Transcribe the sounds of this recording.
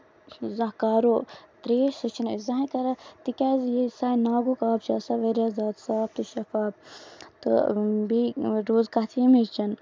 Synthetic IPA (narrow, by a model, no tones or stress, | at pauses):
zãɦkaːɾoːt̪ɾeːʃsɨt͡ʃʰinezãɦĩkɐɾat̪ikʲaːzjesaːinaːɡukaːbt͡ʃaːsaʋeɾjaːzaːt̪saːb̚t̪uʃɐfaːb̚t̪ɨ̰biɾoːzkat̪ʰimet͡ʃɐn